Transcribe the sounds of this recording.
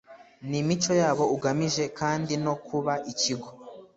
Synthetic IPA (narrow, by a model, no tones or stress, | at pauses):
nimit͡ʃo̞jaːβo̞uɡamiʒe̞kaːndino̞kʰuβaʔiciɡo̞